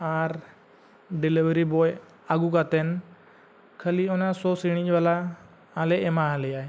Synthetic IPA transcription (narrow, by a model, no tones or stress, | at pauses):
aɾ | ɖiliʋəɾibɔj | aɡukat̪ɛn | kʰəliɔnasɔsiɽ̃id͡ʒbalaː | lɛʔɛmaɦalɛjaj